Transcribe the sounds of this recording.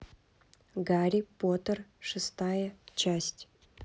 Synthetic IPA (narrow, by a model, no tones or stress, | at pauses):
ɡaɾʲipot̪ərʂɨst̪ajət͡ɕæsʲtʲ